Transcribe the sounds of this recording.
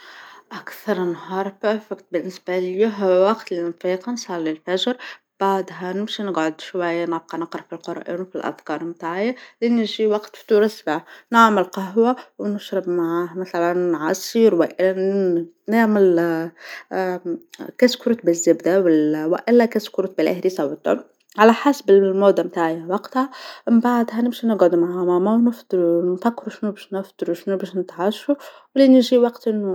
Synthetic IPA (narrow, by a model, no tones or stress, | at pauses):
ʔækθɑɾˤnhɑːɾˤpæɾfɪkt̪̚bɪnːɪsbaljuɦwɑqt̪linfiqɑnsˤɑlːəlfæʒɾ | b̥aʕd̪ɦænɪmʃinəɡʕod̪ʃwæjːanəʕb̚qɑnɑqɾˤɑfilqʊɾˤʔḭːnwfilʔæ̰fkɑːɾˤmt̪aʕɪjːalinɪʒiwɑqt̪ft̪uɾˤɑsbanaʕməlqɑɦwawnəʃɾəbmaʕahmæθalænːʕɑsˤiɾwɪʔɪ | naʕmɪl | kæskʊɾɑt̪bɪzːɪbd̪awɪwɪʔɪlːækæskʊɾɑt̪̚bɪlʔa̰hɾisɑwt̪ˤɑ̰n | ʕalæħasbɪlmoːd̪ːamt̪aːʕjawɑqt̪hambaʕd̪hænɪmʃinɪɡɑd̪maʕamamawnɪfd̪ɾnfækːɪɾuʃnubæːʃnɪfd̪ɾuʃnubæːʃnɪt̪ʕɑʃu | wlinɪʒiwɑqt̪ʔɪnːu